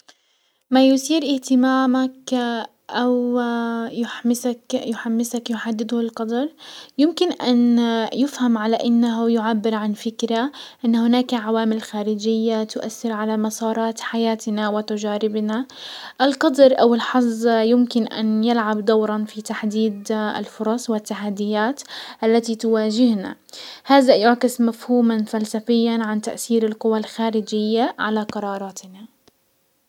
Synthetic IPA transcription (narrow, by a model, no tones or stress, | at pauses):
majʊsiːɾʔɪht̪ɪmaːmak | ʔaw | jʊħmsakjʊħamːɪsakjʊħad̪ːɪd̪hɪlqɑd̪ɾˤjɪmkɪnʔanjɪfhamʕalaʔɪnːaɦʊjʊʕabːɪɾʕanfɪkɾaʔɪnːahʊnaːkʕawaːmɪlxaːɾɪd͡ʒɪjːat̪ʊʔaθːɪɾʕalamɑsˤɑːɾˤɑːt̪ħajaːt̪nawɪt̪ad͡ʒaːɾɪbnaʔɪlqɑd̪ɾʔawɪlħɑzˤjɪmkɪnʔa̰njɪlʕabd̪awɾˤɑnfit̪aħd̪iːd̪ɪ̰lfʊɾˤɑsˤwɪt̪ːaħad̪ːɪjaːt̪ʔalːat̪it̪ʊwaːd͡ʒɪhna̰haːðajʊʕkɪsmafhuːmanfalsafɪjːanʕant̪a̰ʔθiːɾɪlqʊwalxaːɾɪd͡ʒɪjːaʕalaqɑɾˤɑːɾˤɑːt̪ɪna